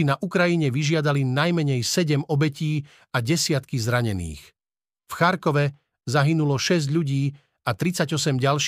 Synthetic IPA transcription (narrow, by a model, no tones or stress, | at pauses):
inaʔukɾajiɲɛʋiʒɪad̪alinajmɛɲɛjsɛɟɛmɔbɛciː | aɟɛsɪat̪kizɾaɲɛnḭːx | fxaɾkɔʋɛ | zaɦinulɔʃɛzɟʎuɟiː | at̪ɾit͡saɟɔsɛmɟalʃ